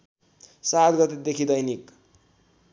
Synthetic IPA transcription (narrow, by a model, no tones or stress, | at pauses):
sat̪ɡʌt̪ed̪ekʰid̪ʌjnik